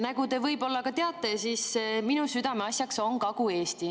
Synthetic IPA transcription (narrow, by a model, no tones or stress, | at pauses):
næɡut̪e̞vɤjbo̞lːɑkɑt̪eɑt̪ːˑesisminusyd̪ɑmeɑsjɑkso̞ŋkɑɡ̥ue̞ːst̪i